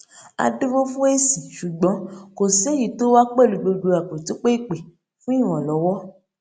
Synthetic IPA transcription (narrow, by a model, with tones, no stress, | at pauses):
a̰˧du˦wo˦fũ˦e˦sĩ˨ʃu˨ɡ͡bɔ̃˨˦ko˨se˨˦ji˦˨to˦wa˦k͡pɛ˦˨lu˨˧ɡ͡bo˧du˧a˨k͡po˨ti˨˦k͡pe˦i˦˨k͡pe˨ | fũ˦i˦˨w̃ɔ̃˨lɔ˨˦wɔ˦